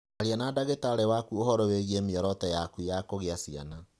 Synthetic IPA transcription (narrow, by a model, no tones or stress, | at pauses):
aɾeanadaɣetaɾɛwakuohɔɾɔweɣiemeɔɾɔtɛjakujakoɣeasia̰na